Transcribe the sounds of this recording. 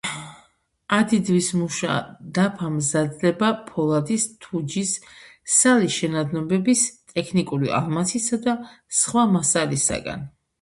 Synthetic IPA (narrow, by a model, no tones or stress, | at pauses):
ad̪id̪wismuʃa̰d̪apʰamzad̪lɛbapʰɔlˠad̪ist̪ʰud͡ʒisː | aliʃɛnad̪nɔbɛbist̪ʼɛkʰnikʼuɾḭa̰lˠmasʰisad̪asχwamasalisa̰ɡa̰n